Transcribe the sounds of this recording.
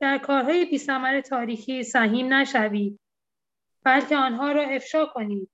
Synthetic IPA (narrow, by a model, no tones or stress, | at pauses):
d̪̥æɾkʰɒːɾɦɒːjepʰiːsæmæɾe̞t̪ʰɒːɾiːxiːsæɦiːmnæʃæviːd̪̥̚ | b̥ælcʰeɒːnɦɒːɾɒːe̞fʃɒːkʰo̞niːd̪̥̚